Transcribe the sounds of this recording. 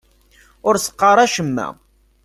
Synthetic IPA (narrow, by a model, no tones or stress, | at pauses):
ʊɾsə̥qːɑɾˤɑʃəmːæ̰